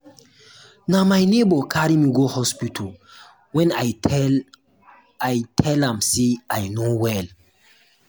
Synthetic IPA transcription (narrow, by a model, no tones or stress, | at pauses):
namajnebɔkʰaɾimiɡohɔspitʰɔl | wɛ̃na | ajtʰɛlãmseajnowɛl